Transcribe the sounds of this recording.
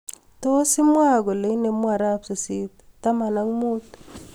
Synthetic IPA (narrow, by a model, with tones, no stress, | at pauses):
to˦si˦mwa˦˨ɡo˨le˨˦ne˨mwa˨ɾa˦psi˨si˦tta˦ma˨na˦ŋmo˦t̪